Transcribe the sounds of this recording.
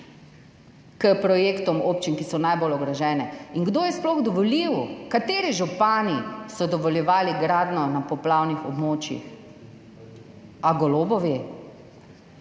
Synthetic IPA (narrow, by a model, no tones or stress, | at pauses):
kəpɾɔjeːkt̪ɔmopt͡ʃinkisɔnajbolɔɡɾɔʒɛːnɛiŋɡd̪ojɛsplɔɣd̪ɔʋɔliwkat̪eːɾiʒupaːnisɔd̪ɔʋɔljɛʋaːliɡɾaːd̪nɔnapɔplaːwnixɔbmoːt͡ʃjḭx | aɡɔloːbɔʋi